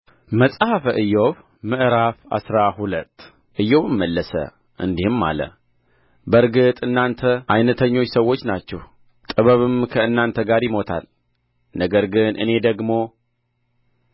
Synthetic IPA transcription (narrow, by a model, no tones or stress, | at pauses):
məsʼhafəʔɨjːo̞β | mɨʔɾafa̰sɾahulət̪ː | ʔɨjːo̞βɨmːəlːəsə̰ | ʔɨ̰nd̪ihɨmːa̰lə̰ | bəɾɡɨt̪ʼɨnːant̪ʰəʔajnət̪ʰəɲːo̞t͡ʃːsəwːo̞t͡ʃːnat͡ʃːɛh | t̪ʼɨβəβɨmkʰəɨnːant̪ʰəɡaɾjɪmo̞t̪ʰa̰l | nəɡəɾɡɨnʔɨ̰ne̞d̪əɡmo̞